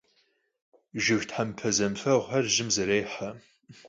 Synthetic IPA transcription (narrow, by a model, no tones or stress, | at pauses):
ʒɪʒʷtʰħampʰɐzɐmfɐwʁɐrʒɪmzɐɾeːħa